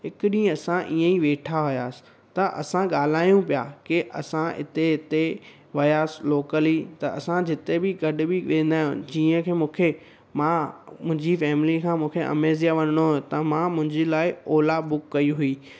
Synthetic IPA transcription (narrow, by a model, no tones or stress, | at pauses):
ɦɪkʊɗĩːə̃ɐsãʔiːə̃iʋeːʈʰaɦʊjaːsɪ̥ | t̪ɐʔɐ̰sãɡaːl̤aːijũpijakɪʔɐ̰sãɪ̰t̪eɦɪt̪e | ʋɐjaːsɪloːkəlit̪ɐɐsãd͡ʑɪt̪ebɪɡɐɗʊ̆bɪʋẽːn̆d̪aːɦjṵ̃d͡ʑiːə̃kʰeːmũːkʰe | mãmʊ̃ɦɪ̃ɲd͡ʑifɛːmɪlikʰãːmũːkʰeʔɐ̰meːzijaʋɐnəɽ̃oɦt̪ɐmãmʊ̃ɦɪ̃ɲd͡ʑelaːɪoːlabʊkːɐiɦʊiː